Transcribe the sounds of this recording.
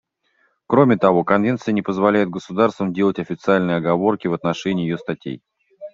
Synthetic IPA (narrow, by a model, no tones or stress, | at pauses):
kɾo̞mʲɪt̪ɐvo̞kɐnvʲe̞nt̪sɨjənʲɪpəzvɐlʲæjɪd̪̚ɡəsʊd̪arst̪vəmdʲe̞lˠətʲɐfʲɪt̪sɨalʲnɨjɐɡɐvo̞rkʲɪvət̪nɐʂɛnʲɪiːjɪjost̪ɐtʲḛj